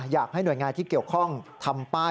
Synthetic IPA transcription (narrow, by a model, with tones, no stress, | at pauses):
jaː˨˩k̚ha˥˩jnu˨˩jŋaː˧nt̪ʰiː˥˩ki˨˩əwkʰɔ˥˩ŋt̪ʰa˧mpaː˥˩